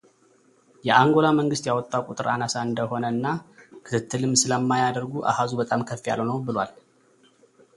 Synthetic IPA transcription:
jɛʔaŋɡo̞laməŋɡɨst̪jawɔt̪ʼːawkʼut̪ʼɨɾanasaɨnd̪əho̞nəɨnːakʰɨ̥kɨt̪ːɨlɨmsɨləmːajad̪əɾɡuʔa̰hazubət̪ʼamkʰəfːija̰lənəwbɨlwal

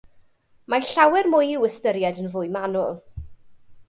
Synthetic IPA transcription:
maɬawɛrmʊjɪwəstəɾjadənvʊjmanʊlˠ

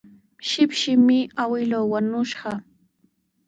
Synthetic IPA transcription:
ʃɪpʃɪmɪawɪlowwanʊʃɢɑ

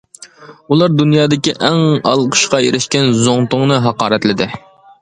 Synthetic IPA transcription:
ulˠɑɾd̪unjɑːd̪ɪkʲiʔɛŋɑ̰lˠqʰə̥ʃqɑḛɾɪʃkʲɛnzoŋt̪ʊŋnɨɦɑqɑːɾɛt̪lɪd̪ɪ

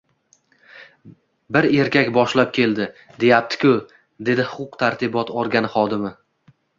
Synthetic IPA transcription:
bɪɾe̞ɾkʲakʲbɒʃlap̚kʲʰe̞ld̪ɪ | d̪e̞jap̚t̪ʰɪ̥kʲʊ | d̪e̞d̪ɪhʊqʰʊqt̪ʰaɾt̪ʰɪbɒt̪ɒɾɡʲanɪχɒd̪ɪmɪ

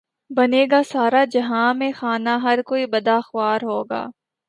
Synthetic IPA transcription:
bɐneːɡasaːɾad͡ʒɐɦãmẽxaːnaɦɐɾkoːibɐd̪axʊwaːɾɦoːɡa̰ː

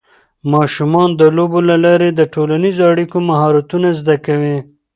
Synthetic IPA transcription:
mɑʃumɑnd̪əlobolalɑɾed̪əʈolanizoaɽikomaɦɑɾat̪unazd̪akawi

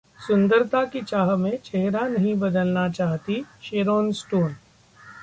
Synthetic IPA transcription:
sʊ̃nd̪əɾt̪akit͡ʃaːɦmẽt͡ʃɛɦɾanɐɦĩbɐd̪əlnat͡ʃaːɦt̪iʃeːɾoːnsʈuːn

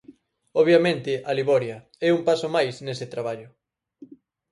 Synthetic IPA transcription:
ɔβjamẽnt̪ɪʔaliβɔɾjɐ | ɛumpasomajsnesɪt̪ɾaβaʎʊ

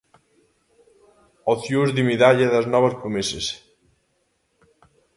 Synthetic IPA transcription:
oθjuzðimiðaʎaðaznɔβaspɾumises

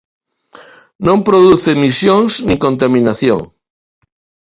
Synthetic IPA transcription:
nõmpɾoðuθemisjõŋsnĩŋkõnt̪amĩnaθjõ̰ŋ

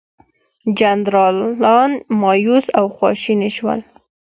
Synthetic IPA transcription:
d͡ʒand̪ɾɑlɑnmɑjusawxwɑ̰ʃiniʃwə̰l

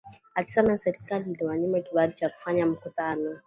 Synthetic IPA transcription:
ati̥samɛnsɛɾikalinliwaɲimakiɓadit͡ʃaku̥faɲam̩kutanɔ

